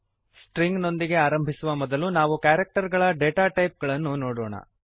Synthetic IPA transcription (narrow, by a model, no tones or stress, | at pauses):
sʈɾiŋɡno̞nd̪iɡe̞aːɾɐmbʱisuʋɐmɔd̪ɐlunaːʋukaːɾek̚ʈɐɾɡɐɭɐɖeːʈaːʈɐjp̚ɡɐɭɐnːunoːɽoːɳɐ̰